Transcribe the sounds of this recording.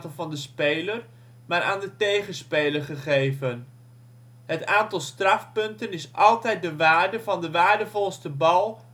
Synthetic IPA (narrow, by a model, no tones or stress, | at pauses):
təlˠvɑndəspejlər | maːɾʔa̰ːndətejχənspejləɹχəχejvən | ɦətaːntɑlˠstrɑfpɵntənɪsʔɑlˠtɛjt̚dəʋaːɹdəvɑndəʋaːɹdəvɔlˠstəbɑlˠ